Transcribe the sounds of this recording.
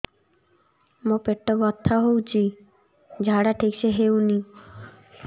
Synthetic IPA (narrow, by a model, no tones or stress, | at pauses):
mopeʈːɔbɔt̪ʰːaɦowt͡ɕʰi | d͡ʑʱaɽaʈʰikʃeɦewni